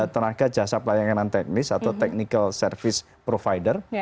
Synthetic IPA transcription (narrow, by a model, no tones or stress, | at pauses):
t̪ənaɡ̥ḁd͡ʒ̥a̤sapəlajaŋkənant̪ɛk̚nɪsat̪awt̪ɛk̚nikəlsərfɪs | pɾofajdər